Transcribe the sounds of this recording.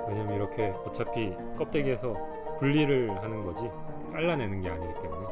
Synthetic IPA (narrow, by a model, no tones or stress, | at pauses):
we̞ɲamniɾʌkʰe̞ot͡ɕʰapʰi | k͈ʌp̚t͈e̞ɡiesʰʌ | puʎːiɾɯɭɦanɯnɡʌd͡ʑi | k͈aɭːane̞nɯnɡe̞aɲiɡit͈e̞mune̞